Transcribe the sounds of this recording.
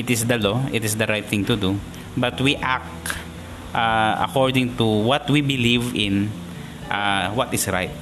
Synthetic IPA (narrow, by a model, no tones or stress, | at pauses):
ʔɪt̪ɪsd̪ɐloʔɪt̪ɪsd̪ɐɾajt̪̚θɪ̃ŋt̪ʊd̪u | bɐt̪wiʔak̚ | ʔaɐ̰koɹd̪ɪ̃ŋt̪uwɔt̪wibɪlivɪ̃n | ʔawɔt̪ɪsɹa̰jt̪̚